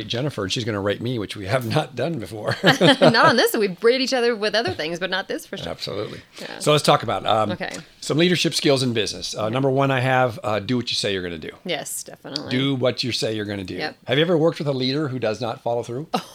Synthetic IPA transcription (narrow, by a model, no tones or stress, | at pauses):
ɪt̚d̥ʒ̥ɛnɨfə˞ɨ̃nʃizɡʌnəɹeɪt̚miwɨt͡ʃwiɨvnət̚d̥ʌ̃nbɨfɔɹnəɾn̩ðɪswivbɹiɾɨɾit͡ʃʌðə˞wɪðʌðə˞θɪ̃ŋzbʌtⁿnət̪̚ðɪsfəæ̰b̥sə̰lṵtˡlḭjæ̰soʊlətstʰɔkəbaʊt̚okʰḛɪsʌ̃mliɾə˞ʃɪpskɪlˠzɨ̃nbɪznɨsnʌ̃mbə˞wʌ̃naɪɨvdɨwʌt͡ʃɨseɪjə˞ɡʌnɨdɨ̰jɛsd̥ɛfənətˡl̥ɨwʌt͡ʃə˞seɪjə˞ɡʌnɨdɨ̰jɛhɨvjɨɛvə˞wɜ˞k̚t̚wɨðəliɾə˞ɦudʌznətfɑlˠoʊθɹʉ